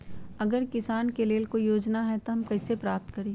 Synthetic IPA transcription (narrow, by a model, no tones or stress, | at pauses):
ɐɡəɾkɪsaːnkeleːlkoijoːd͡ʒnaɦɛt̪oɦɐmkɐɪsepɾaːp̚t̪kɐɾeː